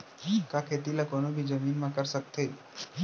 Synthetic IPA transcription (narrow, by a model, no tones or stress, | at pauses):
kakʰeːt̪ilakoːnobʱid͡ʒəmiːnmãkəɾsək̚t̪eː